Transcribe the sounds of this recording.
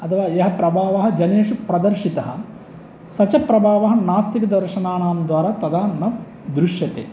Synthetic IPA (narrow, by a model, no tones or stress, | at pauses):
ɐt̪ʰɐʋaːjɐɦɐpɾɐbʱaːʋɐɦɐd͡ʒɐneːʂupɾɐd̪ɐɾʃit̪ɐɦɐ | sɐt͡ʃɐpɾɐbʱaːʋɐɦɐ̆naːst̪ikɐd̪ɐɾʃɐnaːɳaːmd̪ʋaːɾaːt̪ɐd̪aːnɐ | d̪ɾuʃjɐt̪ḛː